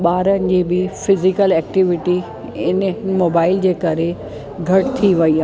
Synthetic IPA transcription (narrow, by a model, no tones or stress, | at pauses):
ɓaːɾənɪ̆d͡ʑiːbɪfɪzɪkəlɛːk̚ʈɪʋɪʈi | ɪnmoːbaːɪld͡ʑeːkɐɾe | ɡʱɐʈt̪ʰiʋɐia